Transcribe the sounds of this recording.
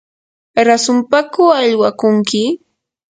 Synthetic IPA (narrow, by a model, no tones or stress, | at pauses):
ɾasʊmpakʊaʎwakʊŋkɪ